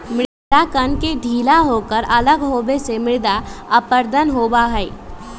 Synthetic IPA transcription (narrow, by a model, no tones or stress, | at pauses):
mɪ | d̪akənked̪ʱiːlaɦokəɾələɡɦoːbesemɪɭd̪aəpəɾd̪ʱənɦoːbaɦəi